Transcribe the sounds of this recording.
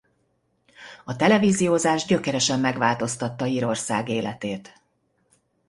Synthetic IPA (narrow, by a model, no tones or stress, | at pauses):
ɒt̪ɛlɛviːzijoːzaːʒɟø̞kɛɾɛʃɛmːɛɡʋaːlt̪o̞st̪ɒt̪ːɒiːɾo̞rsa̰ːɡeːlʔɛt̪eːt̪